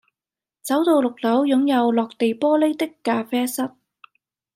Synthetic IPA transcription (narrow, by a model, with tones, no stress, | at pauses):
t͡sɐ˨˥wt̪o˧wlʊ˨k̚lɐ˨˥wjʊ˨˥ŋjɐ˨˧wlɔː˨k̚t̪e˨jpɔː˥le˥jt̪ɪ˥kːaː˧fɛː˥sɐ˥t̚